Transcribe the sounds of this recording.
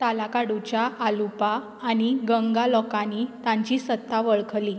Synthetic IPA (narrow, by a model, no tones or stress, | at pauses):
t̪alakaɽut͡ɕjaʔalupaː | ɽiɡəŋɡalɔkanit̪ãɲt͡ɕiːsət̪ʰːaʋəɭkʰli